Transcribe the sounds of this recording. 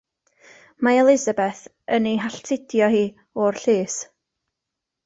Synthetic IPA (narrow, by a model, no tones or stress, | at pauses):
maɛlˠɪzabɛθ | əniɦaɬtʰɪdjɔhiː | ɔrɬeːs